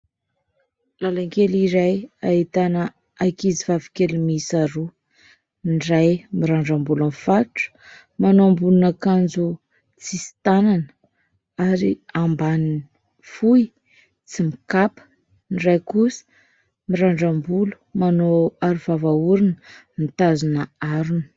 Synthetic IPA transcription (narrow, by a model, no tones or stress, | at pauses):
lalaŋkeliɾajaɦit̪anə | ajkizivavikelimisaɾu | nrajmiɾaɳɖ͡ʐambulanfaʈ͡ʂə̥ | manoambulunakand͡zu | t͡sisi̥t̪anan | aɾḭambanin | fuj | t͡simikapə̥ | nirajkusə̥ | miɾaɳɖ͡ʐambulu̥manoaɾuvavauɾinə | mit̪azunəaɾunə̥